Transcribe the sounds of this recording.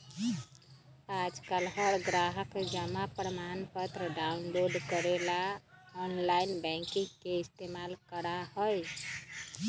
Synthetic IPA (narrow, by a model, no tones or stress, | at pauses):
ad͡ʒkəlɦəɾɡɾaɦəkd͡ʒamapɾmanpət̪ɾəɖaunloɖkəɾelaɔnlajnbɛ̃ŋkiŋkeist̪emalkəɾaɦɔj